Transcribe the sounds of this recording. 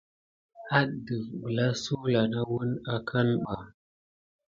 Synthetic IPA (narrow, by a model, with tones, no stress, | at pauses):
ha˦ɗdə˨vbə˨la˦su˦la˨na˦wu˦na˨kʰa˦nɓa˨